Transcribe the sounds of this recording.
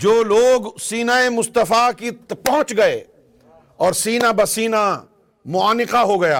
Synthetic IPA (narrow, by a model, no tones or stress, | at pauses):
d͡ʒoːloːɡsiːnaːemʊst̪əfakit̪pɐɦʊ̃t͡ʃɡɐḛ | ɔːɾsiːnabɐsiːna | mʊaːnɪqaɦoɡɐja̰ː